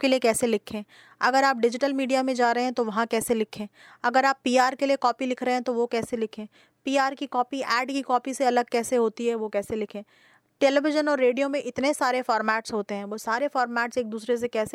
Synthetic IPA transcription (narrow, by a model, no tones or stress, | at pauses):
keliekɛːselɪkʰẽː | ɐɡəɾaːp̚ɖɪd͡ʒɪʈəlmiːɖijamẽd͡ʒaːɾɐɦeɦɛ̃t̪oʋɐɦãkɛːselɪkʰẽːɐɡəɾaːpːiːaːɾkeliekɔːpilɪkʰɾɐɦẽɦɛ̃t̪oʋokɛːselɪkʰẽː | piːaːɾkikɔːpiʔɛːɖkikɔːpiseɐləɡ̚kɛːseɦoːt̪iɦɛʋokɛːselɪkʰẽː | ʈeːlɛʋɪʒənɔːɾːeːɖijomẽʔɪt̪nesaːɾefɔːɾmɛːʈsɦoːt̪eɦɛ̃ːʋoːsaːɾefɔːɾmɛːʈseːk̚d̪uːsɾes̬ekɛːse